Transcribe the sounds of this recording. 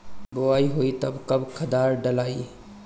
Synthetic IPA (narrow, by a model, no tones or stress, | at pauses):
boaiɦoit̪əbkəbkʰəd̪aɾɖəlaːi